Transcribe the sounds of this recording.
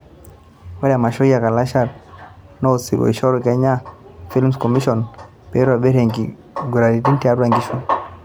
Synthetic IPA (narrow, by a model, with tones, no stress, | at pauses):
wa˦ɾa˨ma˨ʃɔ˦ja˨ka˨la˦ʃa˨ɾ | nɔ˦˨si˨ɡɔ̰˨i˨ʃɔ˦ɾkɛ˦ɲa˦fi˦lmskɔ˨mi˦ʃɔ˨n | pɛ˨˦ɾa˨bɛ˦ɾe˨ŋɡi˨ | ɡu˨ɾa˨li˨ti˦ntia˦ɾuɾa˨ŋɡi˦ʃu˦